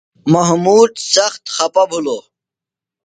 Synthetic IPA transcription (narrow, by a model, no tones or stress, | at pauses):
mɐɦmuːd̪sɐxt̪xɐpɐbʱuloː